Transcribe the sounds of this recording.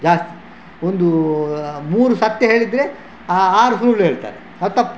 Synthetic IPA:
d͡ʒaːst̪i̥ | ond̪u | muːɾusɐt̪jɐɦeːɭid̪ːɾe̞ | aːɾusɾuːlɦeːɭt̪a̰ːɾe | ɐt̪ːɐpː

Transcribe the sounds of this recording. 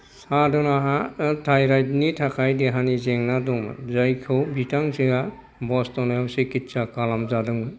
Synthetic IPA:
sadɔnaɦatʰajɾajtnitʰakʰajdɛɦanizeŋnadɔmɯ̰zajkʰɯwbitaŋziɡa | bɔstɔnajawsikitsakalamzadɯŋɯ

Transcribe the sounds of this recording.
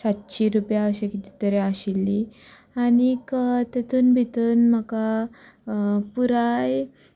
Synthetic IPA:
sat̪t͡ɕiɾupjaːɕekit̪i̥t̪əɾeaɕilːi | añikət̪et̪uːnbʱit̪əːnm̤əka | puɾaj

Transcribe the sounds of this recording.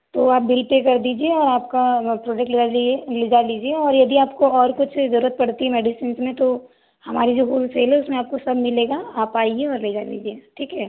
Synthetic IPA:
t̪oːaːp̚bɪlpeːkɐɾd̪iːd͡ʒieɔːɾaːp̚kapɾoːd͡ʒek̚ʈlɪaliled͡ʒaliːd͡ʒieɔːɾjɐd̪iaːpkoɔːɾkʊt͡ʃʰzɐɾuːɾət̪̚pɐɽt̪iɦɛmɛːɖɪsɪnsmẽt̪o | hɐmaːɾid͡ʒoːɦuːlseːlɦɛʊsmẽaːp̚kosɐbmɪleːɡaaːpaːieɔːɾled͡ʒaːlḭːd͡ʒieːʈʰiːkɦɛ

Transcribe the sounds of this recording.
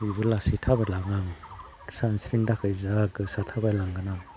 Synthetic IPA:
ujbɯlasitʰabalaŋaŋ | sansɾiŋdakʰɯjzaɡɯsatʰabalaŋɡɯna

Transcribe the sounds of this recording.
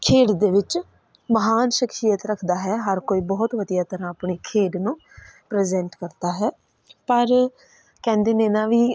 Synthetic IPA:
kʰeːɖd̪eːʋɪt͡ʃ | məɦaːnʃɪkʃijət̪ɾəkʰd̪aːɦɛːɦəɾkoːiːbɔːt̪ʋəd̪ijaːt̪əɾãːəpɳiːkʰeːɖnũː | pɾeːzɛ̃ːɳʈkəɾt̪aːɦɛː | pəɾ | kɛ̃ːnd̪eːneːnãːʋiː

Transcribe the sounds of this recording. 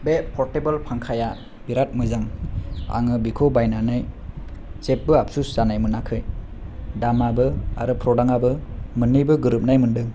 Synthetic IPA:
bepʰɔɾtebalpʰaŋkʰaja | biɾat̚mɯzaŋa̰ŋɯbikʰobajnanɯj | t͡ʃep̚bɯap̚susz̥anajmɯnakʰɯj | damabɯaɾɯpʰɾɔdaŋabɯmɯnːɯjbɯɡɯɾɯp̚najmɯndɯŋ

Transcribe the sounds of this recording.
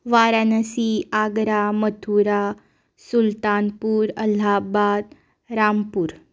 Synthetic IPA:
ʋaɾanəsiaɡɾamət̪ʰuɾa | sult̪anpuːɾəl̤abad̪̚ | ɾampuːɾ

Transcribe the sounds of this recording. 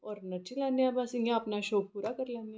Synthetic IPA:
ɔːɾnɐʈʰilanjabasiŋɡjãɐpnaʃoːk̚puːɾakəɾlaːnja

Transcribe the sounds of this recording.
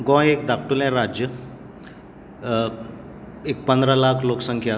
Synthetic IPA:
ɡɔ̃ekd̪ak̚ʰʈulɛ̃ɾad͡ʑjə | ek̚pənd̪ɾalakʰloksəŋkʰja

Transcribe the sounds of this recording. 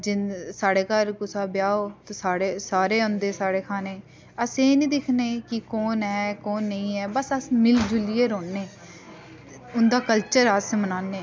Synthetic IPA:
d͡ʒɪnsaːɽeːkəɾkʊsaːbjaːoːt̪oːsaːɽeːsaːɾeːõnd̪eːsaːɽeːkʰaːnẽː | əsẽːnĩːd̪ɪkʰneːkɪkoːnɛːkoːnːəĩːɛːbəsəsmɪld͡ʒʊlieːɾoːnːeː | ʊnd̪aːkəlt͡ʃəɾəsmənaːnːeː

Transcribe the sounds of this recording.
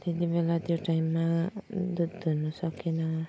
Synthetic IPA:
t̪et̪ibelat̪joʈajmːad̪ud̪d̪ʱunɔsʌkina

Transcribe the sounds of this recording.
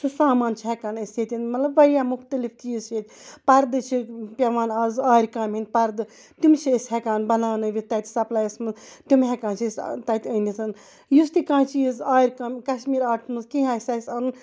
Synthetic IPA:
t͡ʃʰusaːmaːnt͡ʃʰiɦɛkaːnɐsjet̪ʲinmɐt̪lɐbʋɐɽjamuxt̪ɐlift̪iizt͡ʃʰet̪ʲ | pɐɾd̪ɨt͡ʃʰipʲɐʋaːnazaːiɾʲkaːmɦin̚ʲpɐɾd̪ɨ | t̪umt͡ʃʰiishɛkaːnbɐlaːnɨʋʲit̪ɐt̪ʲsɐplaːjɐsmɨzt̪umɦɛkãːnt͡ʃʰist̪ɐt̪ʲəːndisʰɨn | just̪ikãːt͡ʃʰijizaːɾʲkamkɐʃmiːɾaːʈʰmɨzkĩɦaːsasɐnn

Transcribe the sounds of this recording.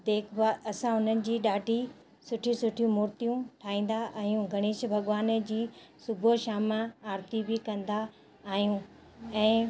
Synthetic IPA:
d̪eːkʰbaːɐsãʊn̤ənɪ̆d͡ʑiːɗaːɖʱi | sʊʈʰĩsʊʈʰijũmʊːɾt̪ijũʈʰaːĩːn̆d̪aʔajũɡʱɐɽ̃eːʃbʱɐɠʋaːnd͡ʑiːsʊbʱoʃaːmãaːɾt̪ibʱɪkɐ̃nd̪aː | ɦijũ | ɛ̃ː

